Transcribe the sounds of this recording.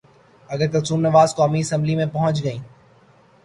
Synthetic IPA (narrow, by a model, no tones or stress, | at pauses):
ɐɡəɾkɐɾsuːmnɐʋaːzkaːmiɪsə̃mblimẽpɐɦʊ̃t͡ʃɡɐĩː